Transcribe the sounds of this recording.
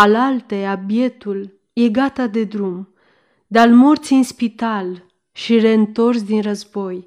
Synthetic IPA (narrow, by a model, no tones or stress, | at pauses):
alalt̪eabje̞t̪ul | je̞ɡat̪ad̪e̞d̪ɾum | d̪almo̞rt̪siɨnspit̪al | ʃire̞ɨnt̪o̞rs̬d̪inrəzbo̞j